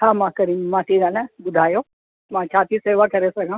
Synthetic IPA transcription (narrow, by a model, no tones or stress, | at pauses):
ɦãːmãkɐɾĩmãːʈiɡãːnɛ̃bʊd̪ʱaːjoː | mãːt͡ʃʰaːt̪iseːʋakɐɾesɐɡʱãː